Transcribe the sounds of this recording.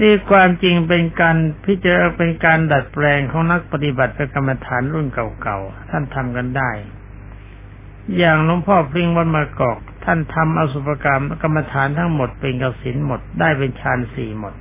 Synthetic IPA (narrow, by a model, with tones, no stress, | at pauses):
niː˧˥˩kʰwaː˧mt͡ɕi˧ŋpe˧nkaː˧npʰi˦˥t̪̚t͡ɕa˧a˧˥˩pe˧nkaː˧nda˨˩t̪̚pɾɛː˧ŋkʰɔː˨˦ŋna˦˥k̚pa˧t̪i˧˩ba˨˩t̪̚pʰe˧ka˧mːa˧t̪ʰaː˩˦nɾu˥˩nka˨˩wka˨˩wt̪ʰa˥˩nt̪ʰa˧mka˧ndaː˥˩j | jaː˨˩ŋlo˧˦mpʰɔː˥˩pʰli˧˥˧ŋwɔ˧˥nmaː˧kɔː˨˩k̚t̪ʰa˥˩nt̪ʰa˧mʔa˧su˧˩pa˧ka˧m˥ka˧mːa˧t̪ʰaː˨˦nt̪ʰa˥ŋmo˨˩t̪̚pe˧nka˧˩si˩˦nmo˨˩t̪̚daː˥˩jpe˧nt͡ɕʰaː˧nsiː˨˩mo˨˩t̪̚